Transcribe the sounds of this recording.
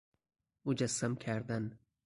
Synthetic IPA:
ud͡ʒasːamkʰæɾd̪an

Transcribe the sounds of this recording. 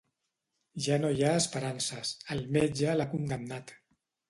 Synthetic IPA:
ʒanojaəspəɾansəsəlˠmed͡ʒəlakund̪əmnat̪

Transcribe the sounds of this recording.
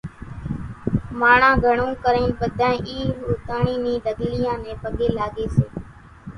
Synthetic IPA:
maːɳãːɡʱəɳõːkəɾẽːnpəd̪ʱãːẽʔiːɾuːt̪aːɳiːnĩːd̪əɡlɪjãːnẽːpəɠeːlaːɠeːseː

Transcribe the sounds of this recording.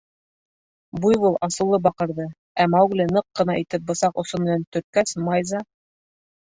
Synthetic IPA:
bujwulˠɑsɤ̆wlˠɤbɑqɤ̆ɾðɤ | æmɑwɡlɘnɤqːɤ̆nɑit̪ɘp̚bɤ̆sɑqŏsonmɘ̆nænt̪ɵ̆t̪̚kæsmɑjzɑ

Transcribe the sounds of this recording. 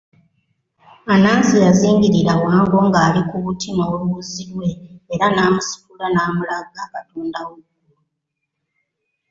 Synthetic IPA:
anaːnsijaziːŋɡiɾiɾawaːŋɡo̞ŋɡaːɾikuβutʰimowoβuziɾwe̞ːɾanaːmusu̥kulanaːmulaɡakatuːndawoɡ

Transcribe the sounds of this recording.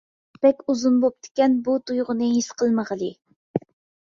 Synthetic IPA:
b̥ɛkʲuzunbop̚t̪ʰɪ̥kʲɛnbut̪ujʁʊnɨɦisqʰəlˠməʁəlˠɨ

